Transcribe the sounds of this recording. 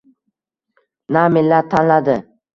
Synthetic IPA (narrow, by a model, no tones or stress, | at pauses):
namɪlːat̪ʰːanlad̪ɪ